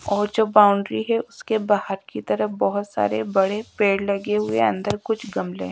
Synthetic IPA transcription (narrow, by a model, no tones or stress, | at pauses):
ɔːɾd͡ʒoːbaːʊ̃ɳɖɾiɦɛʊskebaːɦəɾkit̪ɐɾəɦbɔɦʊt̪sa̰ːɾebɐɽepeːɽlɐɡeɦʊḛɐ̰̃nd̪əɾkʊt͡ʃʰɡɐmlḛ